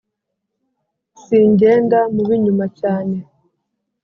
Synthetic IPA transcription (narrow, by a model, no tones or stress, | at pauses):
siɲɟe̞ːndamuβiɲumacaːne